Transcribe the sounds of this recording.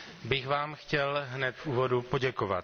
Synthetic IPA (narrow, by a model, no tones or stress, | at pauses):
bɪɣvaːmxcɛlɦnɛt̪fuːvo̞dupo̞ɟɛkova̰t̪